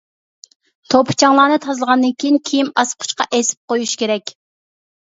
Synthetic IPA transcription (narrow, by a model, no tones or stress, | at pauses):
t̪ʰopʰt͡ʃʰɑŋlˠɑːnɨt̪ʰɑzlˠəʁɑnd̪ɨnkʲʰejinkʲʰejimɑsqʰʊ̥ʃqɑʔesɪ̥p̚qojuʃkʲeɾɛkʲ